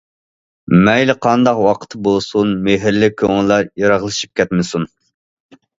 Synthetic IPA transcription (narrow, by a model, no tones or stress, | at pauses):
mɛjlɪqʰɑnd̪ɑqwɑqʰə̥t̪ʰɨbolˠsunmeɦɪɾlɪkʲʰøŋɪllːɑɾjɑɾɑʁlˠɨʃi̥p̚kʲʰɛt̪mɨsun